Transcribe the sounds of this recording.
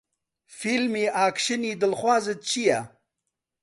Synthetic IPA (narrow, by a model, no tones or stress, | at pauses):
filmiaːkʂiniːd̪əlχwaːzet͡ɕija